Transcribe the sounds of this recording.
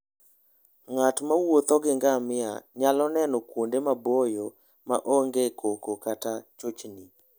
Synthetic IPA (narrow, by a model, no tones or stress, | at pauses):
ŋatmawot̪ɔɡɪŋɡamɪa̰ɲalɔnɛnɔkwondemabojo | ma̰ʔɔŋɡekʰokokatat͡ʃot͡ʃni